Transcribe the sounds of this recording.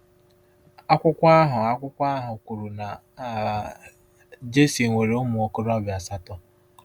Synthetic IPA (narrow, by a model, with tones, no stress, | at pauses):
a˦kʷʊ˦kʷa˦ɦʊ˨a˦kʷʊ˦kʷa˦a˦ɦʊ˨kʷu˨ɾu˨na˨ | d͡ʒe˦si˨ŋʷe˨ɾe˨˦ʊ˦mʊ˨o˦kʊ˦ɾɔ˦bja˨sa˦tɔ˦